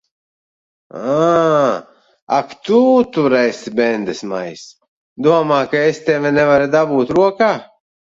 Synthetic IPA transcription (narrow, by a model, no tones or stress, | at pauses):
a | akt̪ut̪uɾɛjsbɛnd̪ɛsma̰js | d̪uɔmaːkaest̪ʲɛvʲɛnɛvaɾid̪abuːt̪ɾuɔkaː